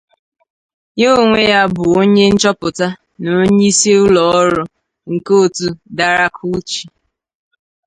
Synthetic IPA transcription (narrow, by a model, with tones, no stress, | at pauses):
ɲo˦˨ŋʷe˦ja˦bʊ˨o˦ɲe˦n̩˦t͡ʃɔ˦pʊ˨ta˦ | no˨˦ɲi˦se˦ʊ˦lɔ˨ɔ˦ɾʊ˦ | ŋ̩˨ko˦o˦˨tu˨da˨ɾa˦kʰu˦t͡ʃi˨